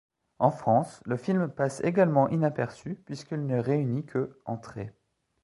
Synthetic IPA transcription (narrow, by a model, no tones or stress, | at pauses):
ɑ̃fχɑ̃sləfilmpasḛɡalmɑ̃ʔinapɛʁsypɥiskilnəʁeynikʰəɑ̰̃t̪χe